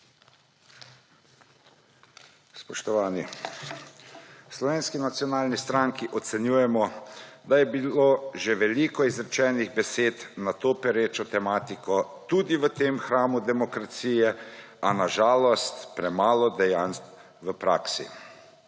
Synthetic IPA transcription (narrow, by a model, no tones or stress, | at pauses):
spɔʃt̪ɔʋaːni | slɔʋeːnskinat̪sjɔnaːlnist̪ɾaŋkiʔɔt̪sɛnjuːjɛmɔd̪ajɛbiloːʒeʋɛlikɔizɾɛt͡ʃɛːniɣbɛseːt̪nat̪oːpɛɾeːt͡ʃɔt̪ɛmaːt̪ikɔt̪uːd̪iʋət̪eːmxɾaːmud̪ɛmɔkɾat̪siːjɛ | anaʒaːlɔst̪pɾɛmaːlɔd̪ɛjans | ʋəpɾa̰ːksḭ